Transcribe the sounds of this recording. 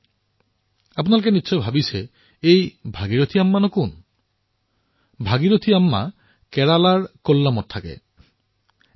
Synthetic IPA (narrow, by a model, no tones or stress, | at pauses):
apnalk̬enitːɕʰɔjbʱabit͡ɕʰe | ejbʱaɡiɾot̪ʰiamːanɔkun | bʱaɡiɾot̪ʰiamːa̰ | kɛɾalaɾkolːamɔt̚t̪ʰakḛ